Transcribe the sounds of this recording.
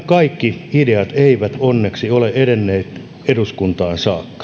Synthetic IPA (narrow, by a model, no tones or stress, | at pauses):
kɑikːiideɑt̪eiʋæt̪onːeksioleedenːeːt̪ | eɾuskunt̪ɑːnsɑːkːɑ̥